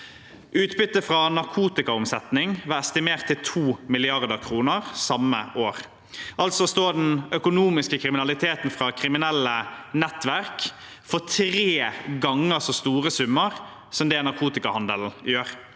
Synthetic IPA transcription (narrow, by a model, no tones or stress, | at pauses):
ʔʉːt̪bʏt̪ːəfʁɑnɑɾkʰuːt̪ɪkɑʊmsɛt̪nɪŋʋæːɾɛst̪ɪmeːʁt̪ʰːɪlt̪ʰuːmɪlɪɑʁd̪əkʰɾuːnəʁsɑmːə̰ʔoːɾ | ʔɑlt̪sɔst̪oːd̪ɛnœkʊnuːmɪskəkʰɾɪmɪnɑlɪt̪ʰeːt̪n̩fʁɑːkʰɾɪmɪnɛlːənɛt̪ːʋæʁk | fɔt̪ʰɾeːɡɑŋːəɾsɔst̪uːʁəsʉmːəʁ | sɔmd̪ɛːnɑɾkʰuːt̪ɪkɑhɑnd̪əl̩jøːɾ